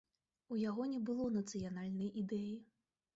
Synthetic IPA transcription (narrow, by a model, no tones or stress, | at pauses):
ujaɣɔnʲɛbɨlˠɔnɐt̪sɨjan̪alʲnɐjʔid̪ɛji